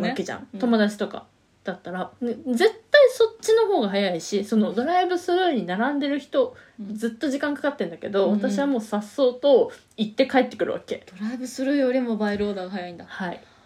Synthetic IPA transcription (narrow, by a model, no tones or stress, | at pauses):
βaket͡ɕã̰ŋt̪o̞mo̞d̪at͡ɕi̥t̪o̞ka̰ | d̪̥at̪ːaɾaned͡ze̞t̪ːaiso̞tt͡ɕːino̞ɦo̞ːɡaɦajaiɕiso̞no̞d̪o̞ɾaibɯ̟sɨɾɯ̟ɲ̟inaɾãnd̪e̞ɾɯ̟çi̥t̪o̞d͡zɨt̪ːo̞ʑikãŋkḁkat̪ːe̞nd̪ake̞d̪o̞βat̪aɕiβamo̞ːsasːo̞ːt̪o̞ | it̪ːe̞kae̞t̪ːekɯ̟ɾɯ̟βa̰ke̞d̪̥oɾaibɯ̟sɨɾɯ̟jo̞ɾʲimo̞baiɾo̞ːd̪aːɡaɦajaĩnd̪ahai